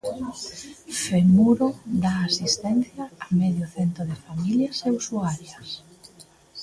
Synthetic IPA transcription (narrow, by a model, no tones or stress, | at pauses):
femuɾoðaːsist̪ɛn̟θjaːmeðjoθɛnt̪ɾoðefamiljɐseusuaɾjas